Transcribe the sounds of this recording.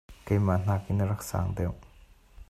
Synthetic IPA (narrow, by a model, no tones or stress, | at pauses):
kajman̥akinəɾɐksa̰ŋd̪ew